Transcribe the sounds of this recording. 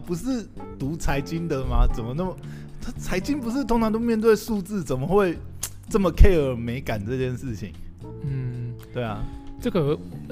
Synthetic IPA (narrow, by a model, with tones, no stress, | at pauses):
pu˨˧˦ʂɻ̩˥˩t̪u˨˧˥t͡sʰa˧˥ɪt͡ɕy˥nd̪ə˨ma˨t͡sə˨˩nmə˦na˥˩mə˩˥ | t͡sʰa˧˥ɪt͡ɕy˥npu˧ʂ̬ɻ̩˥˩t̪ʰo˥ŋt͡sʰɑ˧ŋt̪̬o˥ʊmjnt̪̬we˥˧ɪʂu˥˧t͡sɹ̩˥˩t͡sə˨˩nmə˦xwe˥˩ɪ | ʈ͡ʂə˥˩mə˩kʰe˥˩ɪə˨˥me˧˥ɪka˨˩nʈ͡ʂɤ˥˧t͡ɕjɛ˥˧nʂɻ̩˥˩t͡ɕʰḭ˨˦ŋ | n̩˥˩t̪we˥˩ɪa̰˩ʈ͡ʂə˥˩ɡə˨˩˨